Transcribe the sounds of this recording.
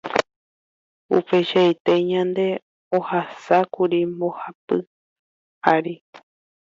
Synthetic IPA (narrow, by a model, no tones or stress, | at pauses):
ṵpe̞ʃaet̪e̞ɲãnd̪e̞ | ohasakuɾimbo̞hapɨ | aɾi